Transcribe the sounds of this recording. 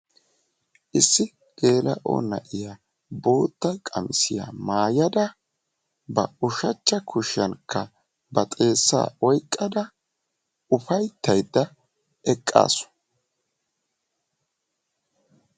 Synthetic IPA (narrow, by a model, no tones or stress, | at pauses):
ʔɪsːɪ | ɡ̥e̞ːlɐ̰ʔo̰ːnɐ̰ʔɪjaː | bo̞ːt̪ːɐkʼɐmɪsɪja̰ːmaːjɐd̪ɐ | bɐ̰ʊʃɐt͡ʃːɐkʰʊʃːɐnkʰːɐ | bɐt̪ʼe̞ːsːa̰ːɔjkʼːɐd̪ɐ | ʊfɐjt̪ːɐjd̪ːɐ | ɛkʼːa̰ːsɔ̥